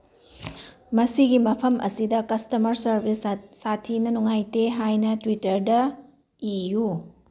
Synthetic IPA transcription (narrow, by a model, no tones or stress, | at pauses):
mɐsiɡimɐpʰɐmʔɐ̰sidɐkɐstɐmɐɾsɐɾbʱisːatʰinɐnuŋajteɦajnɐtwitɐɾdɐ | iju